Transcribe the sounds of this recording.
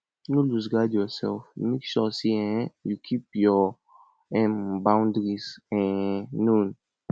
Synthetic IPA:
nulus̬ɡadjɔsɛ̰lfmikʃɔsiɛ̃jukʰip̚jɔ | ɛ̃mbãw̃ndɾisɛ̃ːũn

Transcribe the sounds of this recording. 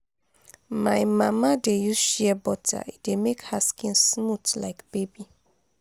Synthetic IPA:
maɪmamadejuʃiɛbɔtʰa̰idemekhaskĩnsmutlaɪkb̥ebi

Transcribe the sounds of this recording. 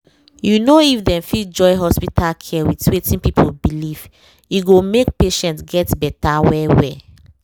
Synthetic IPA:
junoifdɛ̃mfitd͡ʒɔɪɦɔspitʰalkʰɛwitwetĩnpipʰobiliv | iɡomek̚peʃɛ̃ntɡɛtbɛtawɛwɛ

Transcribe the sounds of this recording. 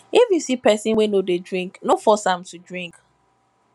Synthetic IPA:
ifjusipɛsĩnwenodedɹĩŋknofɔsãmtudɹĩŋk

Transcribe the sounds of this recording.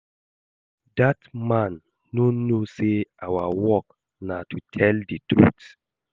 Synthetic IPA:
datmãnː | onoseʔawawɔk | natʰutʰɛlditɹṵt

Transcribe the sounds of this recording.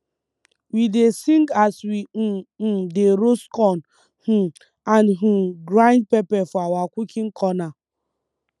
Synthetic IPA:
widesiŋɡaswideɾoskɔn | h̩ | anɦuɡɾãnd̚pepɛfɔawakʷukʰiŋ̩kʰɔna

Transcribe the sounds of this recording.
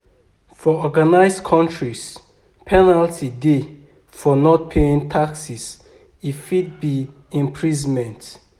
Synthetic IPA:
fɔɔɡanaɪsdkʰɔ̃ntɹis | pʰɛnaltʰide | fɔnɔt̚pʰeĩŋtʰaksis | ifid̚bi | ĩmpʰɹizmɛ̃nt

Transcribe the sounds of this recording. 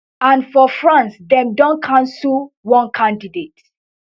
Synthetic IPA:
ãnfɔfɹãnsdɛ̃mdɔ̃nkʰãnsul | wɔ̃nkʰãndidet

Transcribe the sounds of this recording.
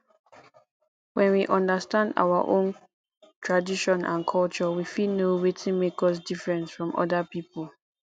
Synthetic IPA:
wɛ̃nwiʔɔ̃ndəstãnda̰waʔõ̰n | tʰɹadiʃɔ̃nʔã̰nkʰɔlt͡ʃɔwifilnowetʰĩnmekɔs̬difɹɛ̃nsfɹɔ̃mɔ̰dapiːpəl

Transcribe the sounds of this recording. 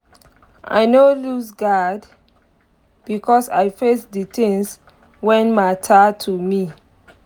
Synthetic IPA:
ʔa̰ɪnolusɡad | b̥ikʰɔsajfesditĩŋs | wɛ̃nmaɪtʰatʰumi

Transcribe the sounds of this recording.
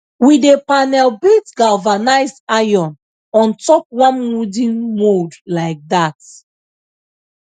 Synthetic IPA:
widepanɛlbitɡalvanaɪsajɔ̃n | ɔ̃ntɔk̚wɔ̃nmudĩnmodlaɪk̚dat

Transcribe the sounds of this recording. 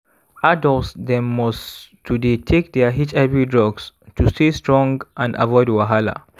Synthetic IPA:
adɔlsdɛ̃mːɔstʰuditʰek̚d̪ɛəɦit͡ʃavidɹɔɡstustestʰɹɔ̃ŋɡʔãnda̰vɔɪdwaɦala̰

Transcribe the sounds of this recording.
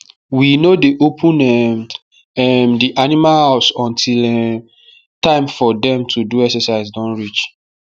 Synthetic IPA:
winodeʔopʰũnɛm | ɛmdiʔanimahaʊsɔ̃ntʰilɛ | tãɪ̃mfɔdɛ̃mtʰuduɛksɛsaɪzdɔ̃nɹit͡ʃ

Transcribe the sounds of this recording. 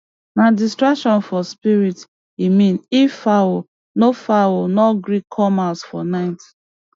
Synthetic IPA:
nadistɹakʃɔ̃nfɔspiɹit | imĩnifawo | nofawonɔɡɹikʰːɔmasfɔnaɪt

